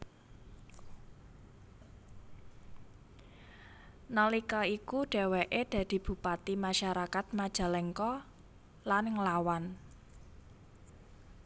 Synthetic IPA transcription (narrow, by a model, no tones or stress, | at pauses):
nɔlikɔikuɖ̥e̤weʔed̥ä̤d̪̥i̤b̥ṳpat̪imaʃaɾakat̪̚mad̥ʒ̥a̤lɛŋkɔ | lanɪŋlawan